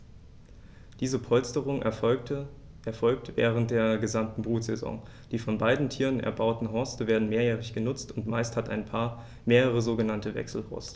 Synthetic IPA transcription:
d̥iːzəpʰɔlstəʁʊŋ | ɛɐfɔlk̚tvɛ̰ːʁ̞ənt̚d̥eːɐɡəzamtn̩bʁuːtz̥ḛzɔ̰ŋ | d̥iːfɔnbaɪdn̩tʰiːʁənɛ̰ɐbaʊtn̩ɦɔɐstəveːɐdn̩meːɐjɛːʁɪçɡ̥ənʊt͡stʊntmaɪsthataɪnpʰaːɐ | meːʁəʁ̞əzoːɡənantəvɛ̰ksl̩hɔ̰ɐstə̥

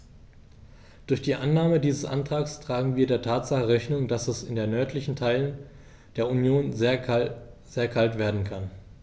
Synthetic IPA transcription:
d̥ʊɐçd̥iːʔanːaːmədiːzəsʔa̰ntʁ̥aːkstʁ̥aːɡŋ̩viːɐdeːɐtʰaːtz̥aχəʁɛçnʊŋd̥asɛsɪndeːɐnœɐtʰlɪçn̩tʰaɪlən | d̥eːɐunjoːnz | z̥eːɐkʰaltv̥eːɐdn̩kʰan

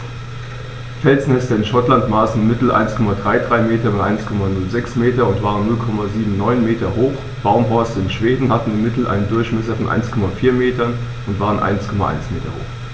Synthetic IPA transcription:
fɛlznɛstɐɪnʃɔtlantmaːsn̩ɪnmɪtl̩ʔa̰ɪnskʰɔmadʁaɪdʁaɪmeːtɐbatʔa̰ɪnskʰɔmanʊlzɛksmeːtɐʊntv̥aːʁənːʊlkʰɔmaziːbm̩nɔʏnmeːtɐɦoːx | b̥aʊmɦɔɐstəɪnʃv̥eːdn̩hatn̩ɪnmɪtl̩ʔa̰ɪnəndʊɐçmɛs̬ɐfɔnʔa̰ɪnskʰɔmafiːɐmeːtɐn | ʊntv̥aːʁənʔa̰ɪnskʰɔmaʔa̰ɪnsmeːtɐ̰ho̰ːx

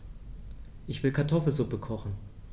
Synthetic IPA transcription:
ʔɪçv̥ɪlkʰaɐtʰɔfl̩zʊpəkʰɔχn̩

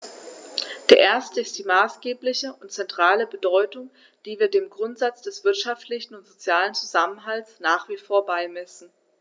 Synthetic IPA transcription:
d̥eːɐʔeːɐstəɪstd̥iːmaːsɡ̥eːplɪçəʊntt͡sɛntʁ̥aːləbədɔʏtʊŋ | d̥iːviːɐdeːmɡʁʊntz̥at͡sd̥ɛsv̥ɪɐtʃaftlɪçn̩ʊntz̥ot͡sjaːlənt͡suzamənɦaltsnaːχv̥iːfoːɐbaɪmɛsn̩

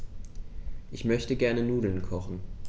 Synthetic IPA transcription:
ʔɪçmœçtəɡɛɐnənuːdl̩nkʰɔχn̩

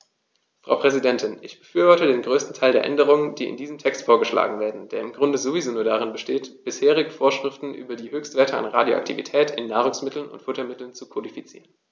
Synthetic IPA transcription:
fʁ̥a̰ʊpʁ̥ɛzidɛntʰɪnʔɪçb̥ə̥fyːɐvɔɐtədeːnɡʁøːstn̩tʰaɪldeːɐʔɛ̰ndəʁ̞ʊŋəndiːʔɪ̰ndiːzəmtʰɛkstfoːɐɡəʃla̰ːɡŋ̩veːɐdn̩d̥eːɐɪmɡʁʊndəzovizoːnuːɐdaʁɪnbəʃteːtb̥ɪsheːʁɪɡ̩foːɐʃʁ̥ɪftn̩ʔy̰ːbɐdiːhøːçstv̥eːɐtʰəa̰nʁa̰ːdjo̰ʔa̰ktʰḭvḭtʰɛːtʰɪnːaːʁ̞ʊŋsmɪtʰl̩nʊ̰ntfʊtɐmɪtl̩nt͡sukʰodifit͡sḭːʁən

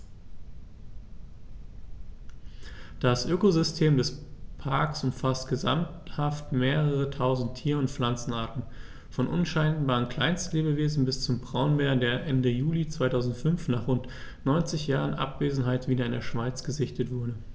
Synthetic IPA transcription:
d̥asʔøːkozʏstʰeːmdɛspʰaɐksʔʊmfastɡ̥əza̰mthaftmeːʁəʁətʰaʊzn̩tʰːiːɐʊntflant͡sn̩aːɐtn̩ | fɔnʔʊ̰nʃaɪnbaːʁənkl̥aɪnstnleːbəveːzn̩bɪst͡sʊmbʁaʊnmeːɐdeːɐʔɛndəjuːlit͡sv̥aɪtʰaʊzn̩tfʏnfnaːχʁʊnt | nɔʏnt͡sɪçjaːʁ̞ənʔa̰pv̥eːzn̩ɦaɪtv̥iːdɐɪndeːɐʃv̥aɪt͡sɡ̥əzɪçtətv̥ʊɐɾə

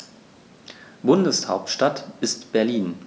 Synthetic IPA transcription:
b̥ʊndəshaʊptʃtatʔɪstb̥ɛɐliːn

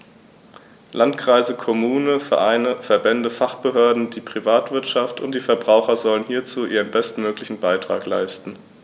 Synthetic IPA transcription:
lʔantkʁ̥aɪzəkʰɔmuːnəfɛɐʔaɪnəfɛɐbɛndəfaχb̥əɦøːɐdn̩diːpʁ̥ivaːtv̥ɪɐtʃaftʊntd̥iːfɛɐbʁaʊxɐzɔlənhiːɐt͡suːʔiːʁənbɛstmøːklɪçn̩baɪtʁ̥a̰ːkla̰ɪstn̩

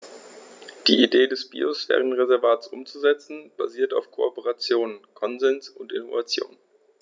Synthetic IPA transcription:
d̥ḭːideːdɛsb̥ḭːosfɛ̰ːʁənʁezɛɐvaːtsʔʊ̰mt͡suzɛt͡sn̩b̥a̰ziːɐtaʊfkʰoopəʁat͡sjoːnnkʰɔnzɛnsʊntʔɪnovat͡sjo̰ːn

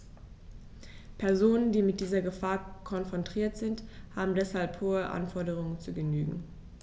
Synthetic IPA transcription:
pʰɛɐzoːnəndiːmɪt̚d̥iːzɐɡəfaːɐkʰɔnfʁ̥ɔntʁ̥iːɐtz̥ɪnthaːbm̩dɛshalphoːəʔa̰nfɔɐdəʁ̞ʊŋənt͡suːɡəny̰ːɡŋ̩

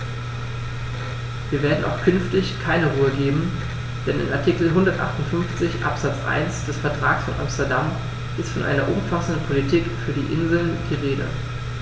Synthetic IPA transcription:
viːɐveːɐdn̩ʔa̰ʊxkʰʏnftɪçkʰaɪnəʁuːəɡeːbm̩ | d̥ɛnɪ̰nʔa̰ɐtʰikl̩ɦʊndɐtʔa̰χtʊntfʏnft͡sɪçʔa̰pz̥at͡sʔa̰ɪnsd̥ɛsfɛɐtʁ̥a̰ːksfɔnʔa̰mstɛɐdam | ʔɪstfɔnʔa̰ɪnɐʔʊmfasn̩dən̩pʰolitʰikfyːɐdḭːʔɪnzl̩nd̥iːʁeːdə̰

